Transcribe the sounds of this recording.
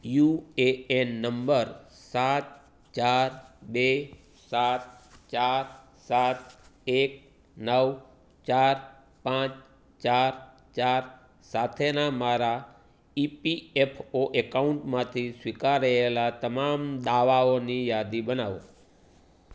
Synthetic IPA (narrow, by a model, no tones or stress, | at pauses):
jueenːəmbəɾ | sat̪̚ | t͡ʃaɾbe | sat̪t͡ʃaɾ | sat̪ek̚ | nəʋ | t͡ʃaɾ | pãt͡ʃ | t͡ʃaɾ | t͡ʃaɾ | sat̪ʰenamaɾa | ipiepʰoʔekauɳʈmãt̪ʰisʋikaɾəelat̪əmamd̪aʋaonijad̪ibənaʋo̰